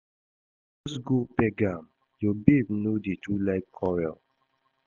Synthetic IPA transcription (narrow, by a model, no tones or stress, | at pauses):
ɔsɡopɛɡãm | jɔbebnodetulaɪkkʰɔɹɛl